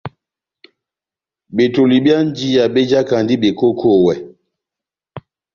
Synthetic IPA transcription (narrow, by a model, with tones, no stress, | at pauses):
ɓe˨to˨li˨bi˦a˦n˦d͡ʒi˦ja˨ɓe˦d͡ʒa˦ka˨ndi˦ɓe˨ko˦kʰo˦˨wɛ˨